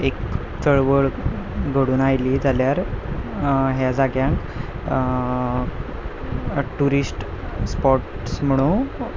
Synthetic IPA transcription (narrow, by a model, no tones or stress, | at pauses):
ek | t̪ʰəɭʋəɭɡʱəɽuːnajliːd͡zʱaljaɾ | ɦjad͡zaɡjãŋk | ʈuɾisʈspɔʈ | sm̤əɽ̃ũ